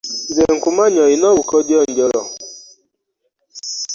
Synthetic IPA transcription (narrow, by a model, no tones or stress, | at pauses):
zeŋ̩kumaɲɔinɔwukɔdjɔn̩dɔɾɔ